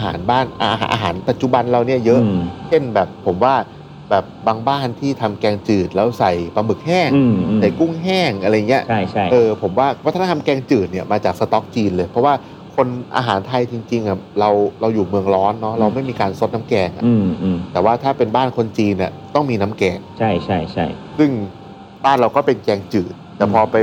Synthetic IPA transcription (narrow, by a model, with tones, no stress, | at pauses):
ʔa˧ɦa̰ː˩˦nbaː˥˩nʔa˧ɦa̰˧ʔːɦa̰ː˩˦npa˨˩t̪̚t͡ɕu˨˩ba˧nɾa˧wni˦˥˩ɐjɤ˦˥ʔt͡ɕʰe˥˩nbɛː˨˩pʰːo˩˦mwaː˥˩ | bɛː˨˩p̚baː˧ŋbaː˥˩nt̪ʰiː˥˩t̪ʰa˧mkɛː˧ŋt͡ɕɯː˨˩t̪̚lɛː˦˥wsa˨˩jpa˧mɯ˨˩k̚hɛː˥˩ŋ˧sa˨˩jku˥˩ŋɦɛː˥˩ŋʔa˧ɾa˧ja˨˩ŋːi˦˥ɐʔʰjt͡ɕʰʔɤː˧pʰo˩˦mwaː˥˩wt̪ʰa˧˥a˧mkɛː˧ŋt͡ɕɯː˨˩t̪̚ni˥˩ɐmaː˧t͡ɕaː˨˩k̚sa˧t̪ɔ˦˥k̚t͡ɕiː˧nlɤː˧jpʰɾɔ˦˥waː˥˩ | kʰo˧nʔa̰ː˧ɦaː˩˦nt̪ʰa˧jt͡ɕi˧ŋt͡ɕi˧ŋʔa˨˩ɾa˧wɾa˧wjuː˨˩mɯ˧əŋɾɔː˦˥nːɔ˦˥ɾa˧wma˥˩jmiː˧kaː˧nso˦t̪̚na˦˥mkɛː˧ŋʔa˨ʔt̪ɛː˨˩waː˥˩t̪ʰaː˥˩pe˧nbaː˥˩nkʰo˧nt͡ɕiː˧nːḭ˨˩ | t̪ɔ˥˩ŋmiː˧na˦˥mkɛː˧ŋt͡ɕʰa˥˩jt͡ɕʰa˥˩jt͡ɕʰa˥˩jsɯ˥˩ŋ | baː˥˩nɾa˧wkɔː˥˩pe˧nkɛː˧ŋt͡ɕɯː˨˩t̪̚ːɛː˨˩pʰɔː˧pa˧j